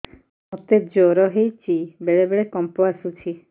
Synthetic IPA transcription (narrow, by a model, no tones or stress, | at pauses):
mɔt̪ed͡ʒoɾɔɦejt͡ʃibeɭebeɭekɔmpɔasut͡ʃʰi